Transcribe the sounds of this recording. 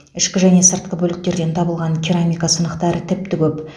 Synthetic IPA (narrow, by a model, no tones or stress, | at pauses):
ɪʃkʲɪʒæne̞səɾt̪̚qəbɵlɪk̚t̪e̞ɾd̪ent̪ʰɑbəlˠʁɑnkʲʰiɾamʲijkasənəqt̪ɑɾət̪ʰɪp̚t̪ɪkʲʰɵp